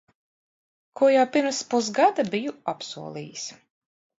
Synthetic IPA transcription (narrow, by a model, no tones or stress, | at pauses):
kuɔjawpiɾmspus̬ɡad̪abijuapsṵɔlˠḭːjis